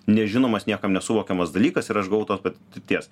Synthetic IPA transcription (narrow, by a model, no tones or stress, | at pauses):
nʲɛʒʲɪnoːmɐsnʲiɛkɐmnʲɛsʊʋoːkʲɛmɐsd̪ɐlʲiːkɐsɪɾɐʃɡɐʋɐʊt̪oːspɐtt̪ʲɪɾʲt̪ʲiɛs